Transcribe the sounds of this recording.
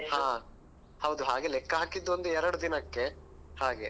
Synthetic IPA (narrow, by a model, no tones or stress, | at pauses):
hãː | hɐwd̪uɦaːɡelɛkːɐɦaːkid̪ːond̪uɛɾɐɽud̪inɐkːe | haːɡe̞